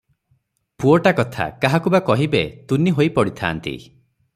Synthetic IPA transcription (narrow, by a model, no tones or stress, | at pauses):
puɔʈakɔt̪ʰa̰kaɦakubakɔɦibet̪uniɦojpɔɽit̪ʰa̰ːnt̪ḭ